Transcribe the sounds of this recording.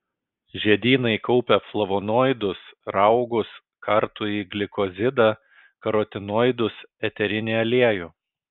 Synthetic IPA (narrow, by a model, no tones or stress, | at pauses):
ʒʲɛd̪ʲiːnɐɪkɔʊpʲɛflˠɐʋonoːjd̪ʊsɾɑʊɡʊs | kɐɾt̪ʊiːɡlʲɪkɔzʲɪd̪ɐ | kɐɾot̪ʲɪnoːɪd̪ʊsɛt̪ʲɛɾʲɪnʲeːɐlʲiɛjuː